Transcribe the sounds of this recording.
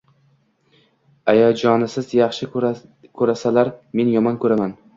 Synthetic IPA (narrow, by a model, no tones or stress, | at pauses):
ajɒd͡ʒɒnɪsɪzjɑχʃɪkʰɵɾasalaɾme̞njɒmɒnkʰɵɾaman